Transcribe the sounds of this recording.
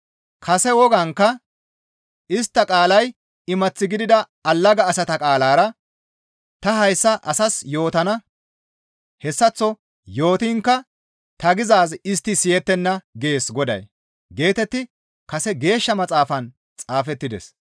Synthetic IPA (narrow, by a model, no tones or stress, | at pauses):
kʰɐsɛwɔɡɐŋkːɐ | ɪst̪ːɐkʼaːlɐj | ɪmɐt͡sːɪɡɪd̪ɪd̪ɐ | ɐlːɐɡɐːsɐt̪ɐkʼaːlaːɾɐ | t̪ɐɦɐjsːɐʔɐsɐsjo̞ːt̪ɐnɐ | hɛsːɐt͡sːɔ | jo̞ːt̪ɪŋkːɐ | t̪ɐɡɪzaːzɪst̪ːɪsɪjɛt̪ːɛnːɐɡeːsɡɔd̪ɐ̰j | ɡe̞ːt̪ɛt̪ːɪ | kɐsɛɡe̞ːʃːɐmɐt͡sʼaːfɐn | t͡sʼaːfɛt̪ːɪd̪ɛ̰s